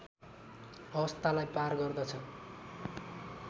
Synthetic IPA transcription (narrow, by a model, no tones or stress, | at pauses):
ʌbʌst̪alajparɡʌrd̪ʌt͡sʰʌ